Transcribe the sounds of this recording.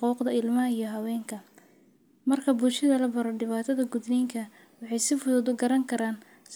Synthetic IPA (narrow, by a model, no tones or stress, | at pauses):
quːqd̪ɐɪlmɐɦɐijɞɦɐwɛːŋkʰɐ | mɐrkʰɐbʊlʃɐðɐlɐbɐɾɔɖɪβaːt̪ʰɐðɐɡʊd̪lɛŋkʰɐ | wɑħɑjsɪfʊðʊðʊɡɐɾɐŋkʰɐɾaːn | s